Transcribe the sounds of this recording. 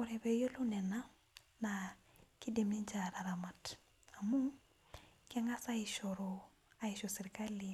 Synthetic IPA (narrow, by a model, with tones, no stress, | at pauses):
ɔ˨ɾɛ˨bejo˦lu˦nɛ˨na˦ | na | ki˦di˨mni˦nd͡ʒa˨ɾa˨ɾa˨ma˨t | a˨mu˦ŋ | kaŋa˦sa˦iʃoɾo | a˨iʃosi˨ɾka˦li